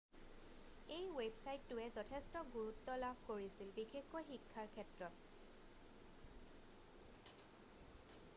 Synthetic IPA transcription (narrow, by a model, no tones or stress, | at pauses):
ejwebsajtːʊɛzɔtʰɛstɔɡuɹutːɔlabʱkoɹisilbixʰexkɔxikʰːaɹkʰɛtɹɔt